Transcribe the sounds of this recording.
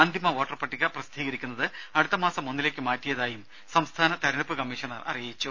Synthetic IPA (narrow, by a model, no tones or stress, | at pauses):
aːnd̪ʱjimɐʋoːʈːɐrpɐʈːiɣɐprɐst̪iːɣɐɾikʲːunːɐðɨɐɽut̪ːɐmaːsɐmunːileːkːɨmaːtːijɐðaːjum | sɐmst̪ʰaːnɐt̪ɐɾɐɳɐpːɨkɐmːiʂɐnɐ̰rɐ̰rijit͡ɕːu